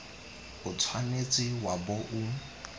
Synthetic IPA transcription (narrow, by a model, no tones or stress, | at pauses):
ʊt͡sʰwanet͡sʼɪwabɔʔʊ